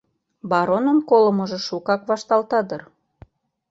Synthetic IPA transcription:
bɑɾonəmkolə̆məʒĕʃukɑkβɑʃt̪ɑlt̪ɑd̪ər

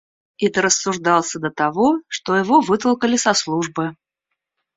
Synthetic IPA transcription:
ɛt̪əɾəsːʊʐd̪ɑlˠsʲəd̪ət̪avɔʂt̪ɔjɪvovɨt̪əlˠkəlʲɪsɐslˠuʐbɨ

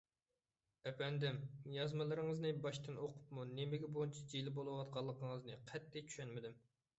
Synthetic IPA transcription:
ɛpɛnd̪ɪmjɑzmɨlˠɨɾɨŋəznɨbɑʃt̪ɨnoqʰʊ̥pmunemɪɡʲɛboint͡ʃʰɛd͡ʒilɪbolˠɨwɑt̪̚qʰɑlˠːəqʰəŋəznɨqʰɛt̪ːɪt͡ʃʰy̥ʃɛnmɪd̪ɪm

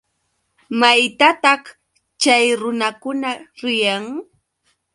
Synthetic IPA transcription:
majt̪at̪ɑχ | t͡ʃajɾʊnakʊnaɾɪjaŋ

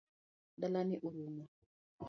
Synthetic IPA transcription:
dalaniʔuɾuːna

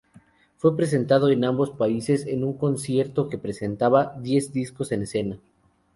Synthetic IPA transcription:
fwe̞pɾe̞s̬e̞nt̪að̞o̞e̞nambo̞spaise̞senuŋko̞nsje̞ɾt̪o̞ke̞pɾese̞nt̪aβaðje̞zd̪isko̞se̞nese̞na

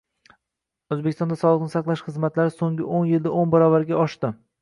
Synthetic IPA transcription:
ɵzbekʲɪ̥st̪ɒnd̪asɒlˠɨq̚nɪsaqlˠaʃχɨzmat̪laɾɪsoŋʲɪ̰ʔonjɪld̪aonbaɾɒvaɾɡʲaɒʃt̪ɪ

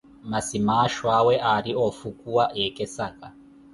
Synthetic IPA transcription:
masimaʃwawɛʔaɾiofukuwaʔekɛsaka

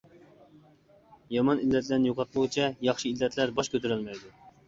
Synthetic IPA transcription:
jɑmɑnilːɛt̪ʰlɛnjoqɑt̪lˠʊʁɨt͡ʃʰɛjɑχʃɨilːɛt̪ʰlæɾbɑʃkʲʰøt̪ʰyɾylmɛjd̪u

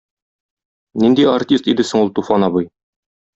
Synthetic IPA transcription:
nind̪iartʲist̪id̪ɘsɘ̆ŋulˠt̪ufɑnɑβɤj

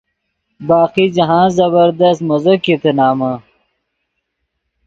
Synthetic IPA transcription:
baːxid͡ʑɐɦãːzɐbɐɾd̪ɐst̪mɐzokit̪enaːma

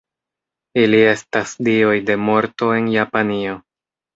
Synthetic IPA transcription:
ilie̞stasdio̞jde̞mo̞ɾto̞e̞njapanio̞

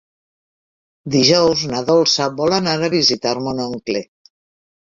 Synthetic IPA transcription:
d̪iʒɔwznaðɔlˠsaβɔlanaɾaβizit̪aɾmonoŋkle

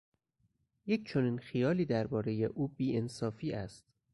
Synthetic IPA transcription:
je̞cʰt͡ʃʰo̞niːnxijɒːliːd̪æɾbɒːɾe̞jeʔuːbiːensɒːfiːʔæst̪̚

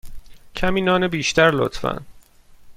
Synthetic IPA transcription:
cʰæmiːnɒːnebiːʃt̪æɾlo̰t̪ʰfæ̰n

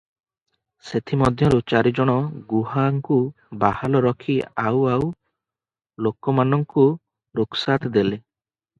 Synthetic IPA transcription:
set̪ʰimɔd̪ʱjɔɾut͡ʃaɾid͡ʒɔɽ̃ɔɡuɦaŋku | bahalɔɾɔkʰiawaw | lokɔmanɔŋku | ɾuksat̪d̪ele

